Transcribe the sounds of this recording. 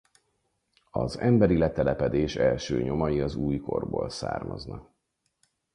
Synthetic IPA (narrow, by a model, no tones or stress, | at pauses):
ɒzɛmbɛɾilɛt̪ɛlɛpɛd̪eːʃɛlʃøːɲo̞mɒjiɒzuːjko̞rboːlsa̰ːrmɒ̰znɒk